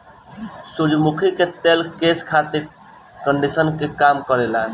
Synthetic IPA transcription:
suɾd͡ʒmukʰiket̪elkeskʰat̪e | kəɳɖisənkekamkəɾelan

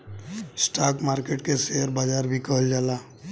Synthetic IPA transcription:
sʈaːkmaːɾkeːʈkeseɦəɾbaːd͡ʒaːɾbʱikəɦəld͡ʒaːlaː

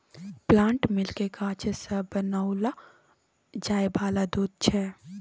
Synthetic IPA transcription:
plãːɳʈmɪlkekaːt͡ʃʰesəbənaʊla | d͡ʒaːjbaːlad̪uːd̪̚t͡ʃʰɛ

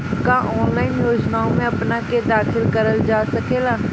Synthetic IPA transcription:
kaʔɔːnlaːɪnjoːd͡ʒnaːõmẽɐpnaked̪aːxʰɪlkəɾəld͡ʒaːsɐkeːlaː

